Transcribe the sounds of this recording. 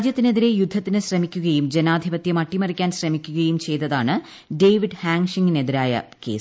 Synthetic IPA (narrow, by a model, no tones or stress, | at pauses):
d͡ʑjɐt̪ːine̞ðiɾe̞jud̪ʱːɐt̪ːinɨɕrɐmikʲːuɣɐjumd͡ʑenaːd̪ʱibɐt̪jɐmɐʈːimɐrikʲːaːnɕrɐmikʲːuɣɐjumt͡ɕe̞jt̪ːɐðaːɳɨ | ɖe̞jʋiɖhaːŋʂiŋine̞ðiɾaːjɐ̰ke̞̰ːs